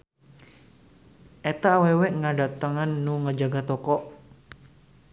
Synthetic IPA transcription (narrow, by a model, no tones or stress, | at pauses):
ʔɛt̪awawɛʔŋadat̪aŋanːuŋəd͡ʒaɡat̪ɔkɔʔ